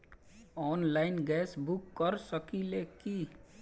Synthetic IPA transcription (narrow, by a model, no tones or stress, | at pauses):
ɔːnlaːɪnɡɛːsbʊkːəɾsəkileːki